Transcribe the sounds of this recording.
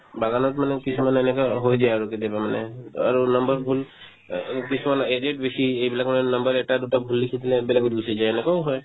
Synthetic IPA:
baɡanɔt̪manɛkisʰimanenɛkaɦojd͡ʒajaɹuked̪ebamanɛaɹunəmbəɾbʱul | kisʰimanedeʈ̚besieibilakmanɛnəmbəɾɛk̚ʈad̪uʈabʱulːikʰit̪ʰinɛbilakud̪usid͡ʒajenɛkauɦɔj

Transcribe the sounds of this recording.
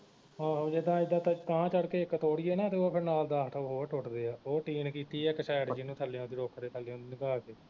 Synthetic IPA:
ãːd͡ʒɪd̪ãːɪd̪ãːt̪ak̪aãːt͡ʃəɽkeːɪkt̪oːɽɪiːɛːnaːt̪eːoːpʰɪɾnaːld̪aːɦʈʰəɦoːʈʰoʈd̪eːaːoːʈiːnkiːt̪iːɛːkəʃaːjɽd͡ʒɪnũːt̪ʰəlːãːnd̪iːɖoːkʰd̪eːt̪ʰəlːeõːnd̪iːnĩːkaːkeː

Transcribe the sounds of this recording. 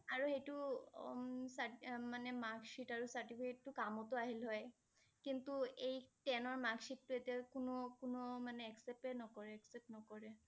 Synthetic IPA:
aɹuhejtu | samanɛmaɡʃitaɹusaɹtipʰiketːʊkamɔtʊaɦilɦɔj | kintuejtɛnɔɹmaɡʃitːuetiakunokunomanɛɛksɛpɛnɔkɔɹɛɛksɛp̚nɔkɔɹɛ

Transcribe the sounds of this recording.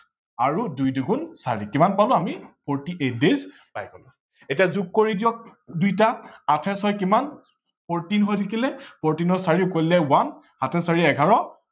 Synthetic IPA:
aɹudujduɡunsaɹikimanpalʊ̃amipʰɔɹtiʔetdez | bajkɔlʊ | etijazuk̚ːoɹidijɔk̚dujtaatʰɛsɔjkiman | pɔɹtinɦojtʰakilɛpɔɹtinɔsaɹiʊkojlɛwan | hatʰɛsaɹiɛɡʱaɹɔ

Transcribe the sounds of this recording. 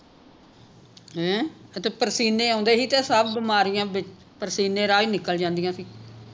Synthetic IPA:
ɦɛ̃ət̪eːpəɾsiːneːãːnd̪eːɦiːt̪ẽːsəbbɪmaːɾijãːbɪt͡ʃ | pəɾsiːnẽːɾaːiːnɪkːəld͡ʒãːnd̪ijãːsiː

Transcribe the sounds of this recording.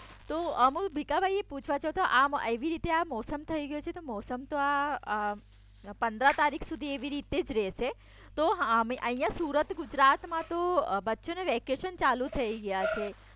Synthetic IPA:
t̪oəmũbʱikabʱaieput͡ʃʰʋat͡ʃʰot̪oʔameʋiɾit̪eamɔsəmt̪ʰəiɡəjot͡ʃʰet̪omɔsəmt̪oa | pənd̪ɾat̪aɾikʰsud̪ʱieʋiɾit̪ed͡ʒɾɛʃe | t̪oɦmiʔəɦijãsuɾət̪ɡud͡ʒɾat̪mãt̪obətːʃoneʋekeʃənt͡ʃalut̪ʰəiɡəjat͡ʃʰe

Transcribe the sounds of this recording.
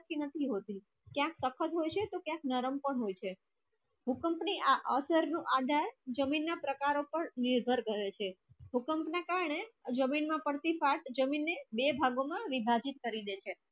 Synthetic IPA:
kinət̪ʰiɦot̪i | kjãksəkʰət̪ɦojt͡ʃʰet̪okjãknəɾəmpəɳɦojt͡ʃʰe | ɦukəmpniʔaʔəsəɾnũʔad̪ʱaɾd͡ʒəminːapɾəkaɾopəɳniɾbʱəɾɡəɾet͡ʃʰeɦukəmpnakaɾɳed͡ʒəminmãpəɽt̪ifaʈd͡ʒəminːebebʱaɡomãʋibʱad͡ʒit̪kəɾid̪et͡ʃʰe

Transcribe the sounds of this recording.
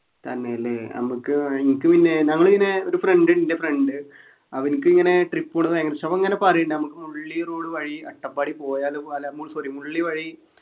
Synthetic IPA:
t̪ɐnːeɐlːenɐ̰mukːɨiŋikːɨpinːe̞nɐŋːɐɭinːeo̞ɾufreɳɖɨnindefreɳɖɨ | ɐʋɐnikːɨiŋːɐne̞ʈripːuɳːɐðɐjɐŋːɐnsɐʋɐŋːɐnepɐrijiɳɖɨɐnɐmukːɨmuɭɭːiroːɭɨʋɐɻiɐʈːɐpːaːɽipo̞ːjaːlalmːuːɭsɐrimuɭːiʋɐɻi

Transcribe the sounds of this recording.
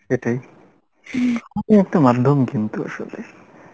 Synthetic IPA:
ʃeʈaj | amiɛk̚ʈamad̪ʱːomkint̪ua̰ʃo̰le

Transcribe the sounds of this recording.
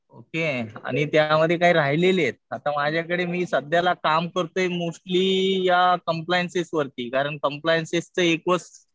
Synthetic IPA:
okea̰ɽ̃it̪jaməd̪ʱjekaɦiːɾaɦileljet̪̚at̪amad͡ʑʱjakəɽemiːsəd̪ʱjalakamkəɾt̪oemosʈliːjakəmplajənsesʋəɾt̪iːkaɾəɳkəmplajənsest͡səekot͡s

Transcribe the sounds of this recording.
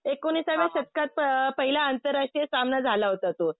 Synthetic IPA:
ekoniːsaʋeɕət̪̚kat̪̚pəpəɦiljaːnt̪əɾːaʂʈɾijəsamnad͡zʱalaɦot̪at̪o

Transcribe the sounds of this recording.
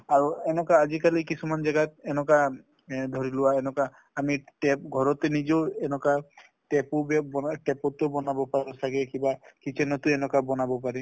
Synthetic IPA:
aɹuɛnɔkaːd͡ʒikalikisumand͡ʒaɡat̪̚ɛnɔka | d̪ʱɔɹilʊwaɛnɔkaː | miʈɛp̚ɡʱɔɹɔt̪enid͡ʒɔɛnɔka | ʈɛpubɛbɔaʈɛpɔt̪ubɔnabɔpaɾɔsaɡɛkibakit͡ʃɛnɔt̪uɛnɔkabɔnabɔpaɾi

